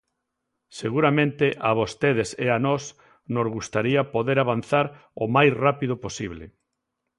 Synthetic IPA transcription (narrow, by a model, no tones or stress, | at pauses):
seɣuɾamẽnt̪eʔaβ̞ost̪eð̞eseanɔs | nozɣust̪aɾiapoðeɾaβan̟θaɾ | omajsrapiðʊposiβlḛ